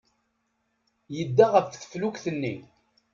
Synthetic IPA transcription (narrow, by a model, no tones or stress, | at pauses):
jəd̪ːaʁəfθθə̥flukθənːi